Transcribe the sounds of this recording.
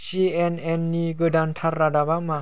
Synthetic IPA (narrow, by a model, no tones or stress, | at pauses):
siɛnɛnːiɡɯdant̪ʰaɾːadawama